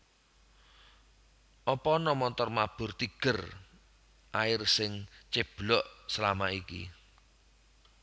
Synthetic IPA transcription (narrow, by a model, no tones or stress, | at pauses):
ʔɔpɔnɔmɔnt̪ɔrmab̥ʊ̤rt̪iɡ̥ə̤r | ʔaɪrsɪŋt͡ʃeb̥lɔʔsəlamaʔikḭ